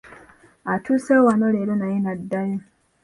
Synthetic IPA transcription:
atʰusewanoleɾenainadːaɲe

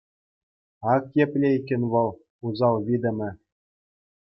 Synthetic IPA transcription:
ɑkjĕpʲlʲeikʲːɘ̆nʲʋɤ̆lˠ | uzɑlˠvʲid̪ʲɘ̆mʲɘ̆

